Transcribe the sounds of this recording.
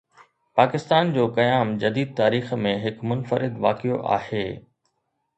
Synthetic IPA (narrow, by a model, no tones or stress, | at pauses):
paːkɪst̪aːnd͡ʑoːkɐjaːmd͡ʑɐd̪iːd̪̚t̪aːɾiːxmẽɦɪkmʊnfəɾɪd̪ʋa̰ːkijo̰ʔa̰ːheː